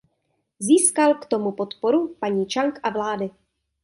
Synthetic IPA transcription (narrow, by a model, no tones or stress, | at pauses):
ziːskalkt̪o̞mupot̪poɾupaɲiːt͡ʃaŋkʔavlaːdɪ